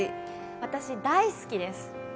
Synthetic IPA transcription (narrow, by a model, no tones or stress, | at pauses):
i | βat̪aɕid̪aisɨ̥kʲid̪e̞sɨ̥